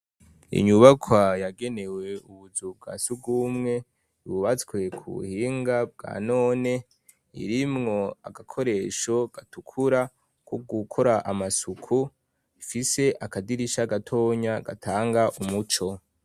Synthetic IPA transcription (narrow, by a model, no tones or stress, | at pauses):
ḭɲuβakʰwajaɡe̞ne̞we̞ʔuβuzub̚ɡa̰suɡ̚ɡuːmŋe̞ | uβuβat͡skwe̞kʰṵβṵhiːŋɡab̚ɡa̰no̞ːne̞ | ḭɾimŋo̞a̰ɡakʰo̞ɾe̞ːʃo̞ɡ̥atukʰuɾa | koɡukʰo̞ɾaʔamasukʰu | ifise̞ʔakadiɾiʃaɡatʰo̞ːɲaɡa̰tʰaːŋɡaʔumut͡ʃo̞